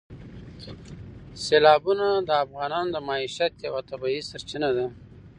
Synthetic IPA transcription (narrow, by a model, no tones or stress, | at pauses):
selɑːbunad̪əːfɣɑːnɑnd̪əmɑiʃat̪jawat̪abɑisaɾt͡ʃinad̪a